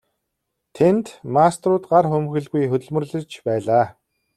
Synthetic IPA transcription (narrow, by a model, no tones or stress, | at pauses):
t̪ʰent̪mast̪rʊːt̪ɢarxɵmxɘ̆ɮɣujxɵt̪ɵ̆ɮmɵ̆rɮɘ̆rt͡ɕpæːɮaː